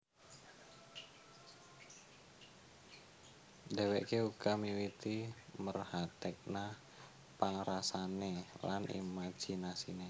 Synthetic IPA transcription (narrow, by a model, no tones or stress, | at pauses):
deweʔkeuɡamiwit̪imərhat̪ɛk̚nah | paŋɾasanelanḭmḁd͡ʒ̥inasine